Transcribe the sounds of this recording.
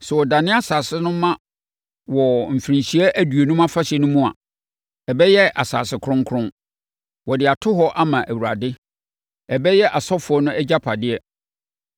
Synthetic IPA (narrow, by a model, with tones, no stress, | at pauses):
sɛ˨wɔ˨dã˨nɪ̃˦a˦saː˨sɪ˦nʊ̃˦mã˦ | wɔ˨m̩˨fi˨ɾĩ˨ɕi˨æ˦ʔæ˦du˨e˨nũ˦mã˦fa˦ɕɛ˨nʊ̃˦mũ˦a̰˨ | ɛ˨bɛ˦jɛ˦ʔa̰˨sa̰ː˨sɪ˨kʰɾʊ̃˦ŋ˦kʰʊ̃˦n | wɔ˨dɪ˨a˨tʰʊ˦ɦɔ˦ʔa˦mã˨ʔæ˨wu˨ɾa̰˨dɪ˦ | ɛ˨bɛ˦jɛ˦ʔa˨sɔ˦fʊ˨˦ɔ˦nʊ̃˦ʔæ˦d͡ʑa˦pʰa˨dɪ˦ɛ˦